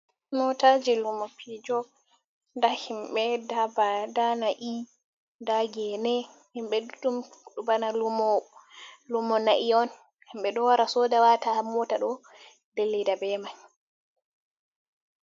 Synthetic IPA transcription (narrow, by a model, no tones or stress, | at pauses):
mɔtad͡ʒilumapʰid͡ʒɔ | ndahimɓɛdabadanaʔi | ndaɡɛnɛhimɓɛdutumɗubanalumɔ | lumɔnaʔiɔn | himɓɛɗɔwaɾasɔdawatamɔtaɗɔ | delːidabɛmaj